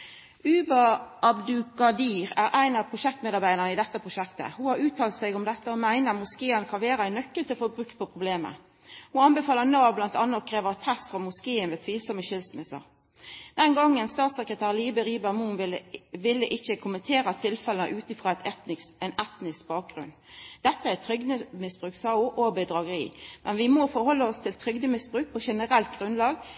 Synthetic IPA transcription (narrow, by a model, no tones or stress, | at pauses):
ʉːbəɑbd̪ʉkɑd̪iːʁæːʁæɪnɑʋpʰʁʊʃɛk̚t̪meːd̪ɑʁbæɪd̪əʁənəɪd̪ɛt̪ːəpʰʁʊʃɛkt̪ə̰hʊhɑɾʉːt̪ʰɑːlt̪sɛɡɔmd̪ɛt̪ːəɔmæɪnəmʊskeːənkʰɑnʋæːɾəæɪnːœkːəlt̪ʰɪlfɔɾbʁʉkt̪̚pʰɔpʰʁʊbleːmə̰ | hʊɑnbɛfɑːlənɑːʋblɑnt̪ɑnːəkʰɾeːʋəʁt̪ʰæsfʁɑːmʊskeːənʋeːt̪ʰʋiːlsɔməʃɪlsmɪsə̰ʁ | d̪ɛnɡɔŋːənst̪ɑːt̪sɛkʁət̪ʰæːʁliːbəɾiːbəmunlʋɪlːəʔɪçːəkʰʊmənt̪ʰeːɾɑt̪ʰɪlfɛlənə̰ʔʉːt̪ɪfʁɑːæt̪ɛnɛt̪nɪskbɑːk̚ɡʁʉ̰n | d̪̥ɛt̪ːəæt̪ʰɾʏɡd̪əmɪsb̥ʁʉːksɑːʊʔobəd̪ʁɑɡəɾiːmʔɛnʋɪmɔfɔɾhɔlːəɔst̪ʰɪlt̪ʰɾʏɡd̪əmɪsbʁʉːk̚pʰɔʃɛnəʁɛlt̪̚ɡʁʉnlɑːɡ